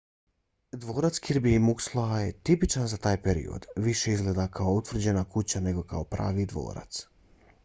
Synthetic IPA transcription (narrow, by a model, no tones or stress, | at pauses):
d̪ʋo̞ːɾat̪skiɾbiimukslˠoajet̪ipit͡ʃanzat̪aːjpeɾḭo̰d̪ʋiʃe̞izɡleːd̪akʰaout̪ʋr̩d͡ʑe̞nakut͡ɕane̞ɡo̞kao̞pɾa̰ːʋid̪ʋo̰ːɾa̰t̪s